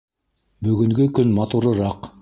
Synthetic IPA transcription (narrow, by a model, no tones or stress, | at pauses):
bɵɡʲɪŋɡʲɪkʲʰʏnmɑt̪uɾəɾɑq